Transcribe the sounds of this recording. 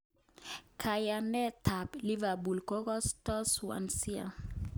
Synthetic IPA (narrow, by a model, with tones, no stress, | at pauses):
kʰa˨ja˨nɛ˦tʰa˨pli˦va˨bu˨lkɔ˦ɣɔ˦stɔ˦swa̰˨nsi˦a̰˨